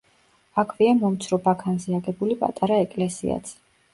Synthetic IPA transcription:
akʰviamɔmt̪sʰɾɔbakʰanzɛaɡɛbulipʼa̰t̪ʼaɾaɛkʼlɛsḭa̰t̪sʰ

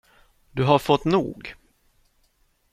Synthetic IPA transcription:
d̪̥ɵɦaɾfɔt̪ːnṵːɡ

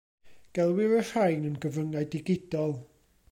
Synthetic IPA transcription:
ɡ̥ɛlˠwɪɾər̥ajnənɡəvəŋajdɪɡɪdɔlˠ

